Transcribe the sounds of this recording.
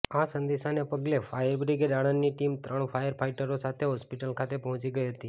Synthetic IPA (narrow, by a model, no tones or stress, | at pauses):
asənd̪iʃanepəɡlefajəɾbɾiɡeɖaɽ̃ənːiʈimt̪ɾəɳfajəɾpʰaiʈəɾosat̪ʰeɦɔspiʈəlkʰat̪epɔɦɔ̃t͡ʃiɡəiɦət̪i